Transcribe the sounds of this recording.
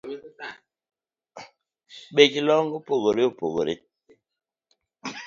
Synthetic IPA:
ɓet͡ʃlɔŋɡupoɣoɾiopoɣo̰ɾḭ

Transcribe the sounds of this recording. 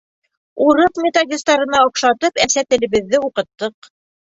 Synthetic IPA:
uɾɤqmʲet̪oɡʲɪst̪ɑɾɤ̆nɑŏqʃɑt̪ɤpæsæt̪ɘ̆lɘ̆βɘ̆ðːɘuqɤ̆t̪ːɤq

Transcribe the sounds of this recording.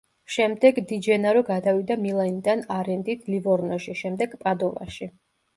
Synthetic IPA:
ʃɛmd̪ɛɡd̪id͡ʒɛnaɾɔɡad̪avid̪amilˠaind̪anaɾɛnd̪it̪ʰlivɔɾnɔʃiʃɛmd̪ɛɡ̥pʼad̪ɔva̰ʃi

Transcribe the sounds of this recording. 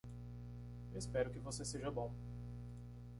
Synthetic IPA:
espɛɾʊkɪvoseseʒɐbõw̃

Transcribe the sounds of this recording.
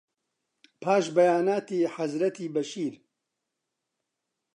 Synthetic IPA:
pʰaːʃbɐjaːnaːt̪iːħazɾɐt̪ʰiːbɐʃiːɾ

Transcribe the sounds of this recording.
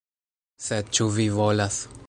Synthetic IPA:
sed̪̚t͡ʃuvivolas

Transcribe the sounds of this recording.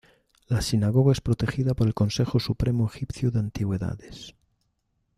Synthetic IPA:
lasinaɣoɣaespɾot̪e̞xiðapoɾe̞lko̞nsexosupɾemoexipθjuðeant̪iɣwe̞ða̰ðes

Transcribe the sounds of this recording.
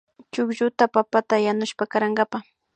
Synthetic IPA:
t͡ʃʊkʒʊt̪apapat̪ajanʊʃpakaɾaŋɡapa

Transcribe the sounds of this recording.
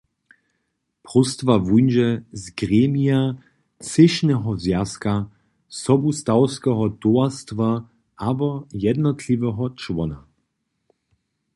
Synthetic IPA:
pʁust̪vavujnʒɛzɡʁeːmija | t͡sɪʃnɛɦɔzjaska | sɔbust̪awskɛɦɔt̪oast̪va | ʔabɔjɛd̪nɔtʰlivɛɦɔt͡ʃwɔna

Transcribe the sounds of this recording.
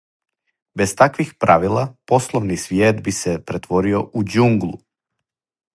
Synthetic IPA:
be̞st̪akʋixpɾʔaʋilˠapo̞slˠoʋnisʋjeːd̪bisepɾet̪ʋo̞ɾio̞ʔud͡ʒuŋɡlˠu

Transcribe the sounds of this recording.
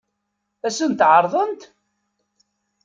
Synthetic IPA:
æsənt̪ʕəɾˤðˤənt̪

